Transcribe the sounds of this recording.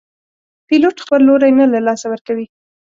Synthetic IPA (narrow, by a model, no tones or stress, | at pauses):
piloʈxpəlːoɾajnalalɑsawəɾkawi